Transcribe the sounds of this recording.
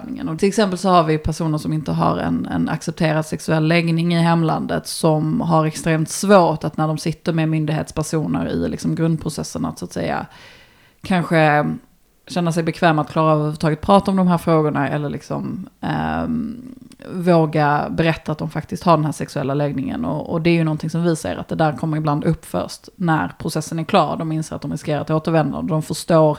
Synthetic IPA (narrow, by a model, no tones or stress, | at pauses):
nɪŋə̰nɔt̪ʰɪlɛksɛmpəlsɔhaɾvɪpʰæʂuːnəʂɔmɪnt̪əɦa̰ɾɛ̰nɛ̰na̰ksɛp̚t̪ʰeːɾad̪sɛksɵɛlːɛɡnɪŋɪɦɛmːla̰nd̪ə̰t̪sɔmɦaɾɛkst̪ɾeːmt̪svoːʈat̪næɖɔmsɪt̪ːəɾmɛmʏnd̪ɪɡhḛːt̪spʰæʂuːnə̰ɾɪ̰lɪ̰ksɔmɡɾɵnd̪̚pʰɾʊsɛsːəna̰t̪sʊat̪sɛ̰jːa̰ | kʰanɧə | ɕɛnːasɛjbɛkʰvɛːmat̪̚kʰlɑːɾaːvhʉːvət̪ʰɑːɡət̪̚pʰɾɑːt̪aɔmd̪ɔmɦæːɾfɾoːɡʊɳaɛ̰lːəɭɪksɔ̰m̰ | voːɡabɛɾɛt̪ːat̪̚d̪ɔmfak̚t̪ɪst̪haɖɛnɦæːɾʂɛksɵɛlːalɛɡnɪŋə̰nɔ̰ɔ̰d̪ɛæɾjɵnɔnt̪ʰɪŋsɔmvɪsɛ̰ːɾa̰t̪̚d̪ɛd̪æːɾkʰɔmːəɾɪbland̪ɵpːfœ̰ʂtnæ̰ɾpʰɾʊsɛsːənæɾkʰlɑːɾd̪ɔmɪnseːɾat̪̚d̪ɔmɾɪskeːɾat̪oːt̪əɾvɛnd̪a̰nd̪əd̪ɔmfœʂt̪oːɾ